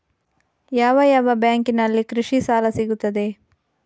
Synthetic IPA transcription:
jaːʋɐjaːʋɐbjaːŋkinɐlːikɾiʂisaːlɐsiɡut̪ːɐd̪e̞

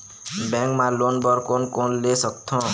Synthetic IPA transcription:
bɛ̃ŋkmãlonbʌɾkonkonlesʌkt̪ʰɔ̃

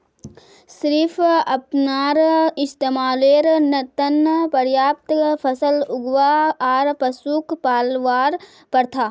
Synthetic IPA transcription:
sɾɪfʰɐpnaːɾɪst̪eːmaːleːɾnət̪ənpɐɾjaːp̚t̪pʰɐsəlʊɡʋaaːɾpɐsuːkpaːlʋaːɾ | pɐɾt̪ʰaː

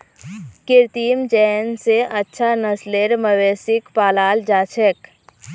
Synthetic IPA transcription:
kɪɾt̪iːmd͡ʒɛːnseʔətːʃʰanəsleɾməweːsɪkpaːlaːld͡ʒaːt͡ʃʰɛk

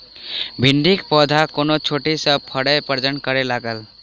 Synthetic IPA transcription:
bʱiɳɖikpɔd̪ʱakonot͡ʃʰoʈisəb̚pʰəɽəpəɾd͡ʒənkəɾelaɡəl

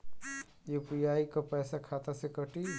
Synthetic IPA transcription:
jupijaːikopɛːsakʰaːt̪asekəʈi

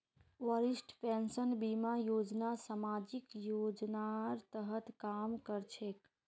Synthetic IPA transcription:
ʋəɾisʈpẽnsənbimajod͡ʒnasamad͡ʒikjod͡ʒnaɾt̪əɦət̪kamkəɾt͡ʃʰek

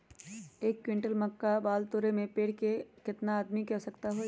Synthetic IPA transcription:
eːkːwɪ̃ɳʈəlmɐkːabaːlt̪oːɾemẽpeːɽkekɪt̪naːd̪mikɛɦsɐkt̪aɦo

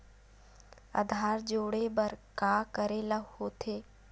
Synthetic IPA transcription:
ɐ̰d̪ʱaːɾd͡ʒoːɽebəɾkaːkəɾeləhoːt̪ʰeː

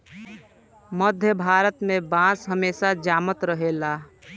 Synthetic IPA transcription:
məd̪ʱjəbʱaːɾət̪mẽbãːsɦəmeːsad͡ʒaːmət̪ɾəɦelaː

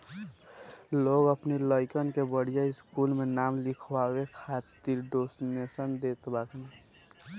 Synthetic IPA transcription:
loːɡəpniləɪkənkebəɽ̤ijaɪskuːlmẽnaːmlɪkʰwawekʰaːt̪iɾɖoːsnesənd̪eːt̪baːkʰne

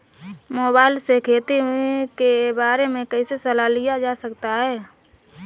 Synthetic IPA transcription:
moːbaːɪlsekʰeːt̪ikebaːɾemẽkəisesəlalijad͡ʒaːsəkt̪aɦɛː

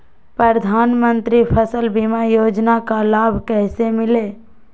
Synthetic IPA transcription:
pɾəɾəd̪ʱaːnmə̃nt̪ɾipʰəsəlbimajoːd͡ʒnakalaːbʱkɛːsemɪleː

